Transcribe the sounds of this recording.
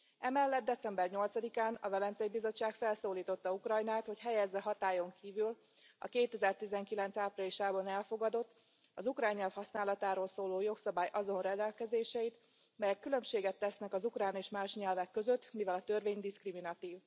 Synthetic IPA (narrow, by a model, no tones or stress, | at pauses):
ɛmɛlːɛd̪d̪ɛt̪sɛmbɛrɲo̞lt̪sɒd̪ikaːnɒvɛlɛnt̪sɛjbizo̞t͡ʃːaːkfɛlsoːliːt̪o̞t̪ːɒukrɒjnaːt̪ho̞cɦɛjɛzːɛɦɒt̪aːjo̞ŋkʰiːvyl | ɒ̰keːt̪ɛzɛrt̪izɛŋkilɛnt̪saːpriːliʃaːbo̞nɛlfo̞ɡɒd̪o̞t̪ː | ɒzukraːɲːɛlfhɒsnaːlɒt̪aːɾoːlsoːloːjo̞ksɒbaːjʔɒzo̞nrɛnd̪ɛlkɛzeːʃɛjit̪ | mɛjɛkːylø̞mʃeːɡɛt̪ːɛsnɛkɒzukrɾaːneːʃmaːʃɲɛlvɛkːø̞zø̞t̪ːmivɛlɒt̪ø̞rveːɲd̪iskriminɒt̪iːv